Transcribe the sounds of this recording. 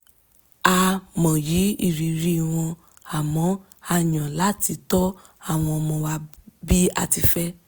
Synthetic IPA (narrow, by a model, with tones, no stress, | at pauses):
a˧mɔ̃˨ji˨˦i˦˨ɾi˨ɾi˨˦˨w̃ɔ̃˧ | a˨mɔ̃˨˦ | a˧ɲã˨la˨˦˨ti˧tɔ˦ | a˦˨w̃ɔ̃˧ɔ˧mɔ̃˧wa˧bi˦a̰˧ti˧fɛ˦